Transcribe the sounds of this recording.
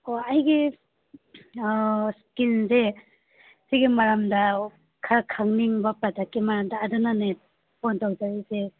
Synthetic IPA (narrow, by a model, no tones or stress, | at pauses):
oajɡi | skinze | siɡimaɾamda | kʰakʰaŋniŋbapatakːimaɾamdaːdanane | pʰontawzaɾize